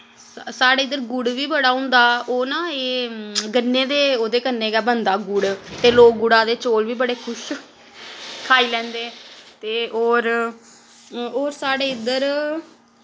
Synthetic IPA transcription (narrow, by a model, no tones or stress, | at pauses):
saːɽeːɪd̪əɾɡʊɽʋiːbəɽaːɦʊ̃nd̪aːoːnãːeːɡənːeːd̪eːoːd̪eːkəneːɡaːbənd̪aːɡʊɽt̪eːloːk̚ɡʊɽãːd̪eːt͡ʃoːlʋiːbəɽeːkʰʊʃ | kʰaːiːlɛ̃ːnd̪eːt̪eːoːɾ | oːɾsaːɽeːɪd̪əɾ